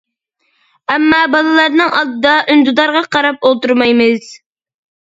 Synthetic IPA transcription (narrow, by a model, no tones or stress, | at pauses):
ɛmːɑbɑlˠɨlˠɑɾnɨŋʔɑlˠd̪ɨd̪ɑʔynd̪ud̪ɑɾʁɑqʰɑɾɑp̚olˠt̪uɾmɑjmɨz̥